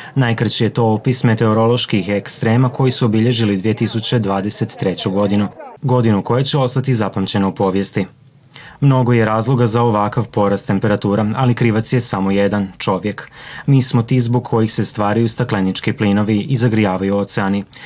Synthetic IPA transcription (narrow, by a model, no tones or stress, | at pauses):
najkɾat͡ɕije̞t̪o̞opisme̞t̪e̞oɾo̞lo̞ʃkixekst̪ɾeːmako̞jisuobiʎe̞ʒilid̪ʋije̞t̪isut͡ɕed̪ʋaːd̪e̞se̞t̪ːɾe̞t͡ɕoɡo̞d̪inuɡo̞d̪inuko̞jet͡ɕeo̞st̪at̪izapamt͡ɕe̞noupo̞ːʋje̞st̪i | mno̞ɡo̞je̞ɾaːzlˠo̞ɡazao̞ʋakaʋpo̞ɾast̪ːe̞mpe̞ɾat̪uːɾaalikɾiʋat̪sjesamo̞je̞d̪ant͡ʃo̞ʋje̞kmiːsmo̞t̪iːzbo̞ɡkʰo̞jixse̞st̪ʋaːɾajust̪aklenit͡ʃkiplino̞ʋiizaɡɾijaːʋajuo̞t̪seani